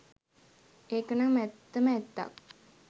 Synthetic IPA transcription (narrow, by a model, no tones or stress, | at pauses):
eːkənaŋmɛt̪ːəməɛt̪ːa̰k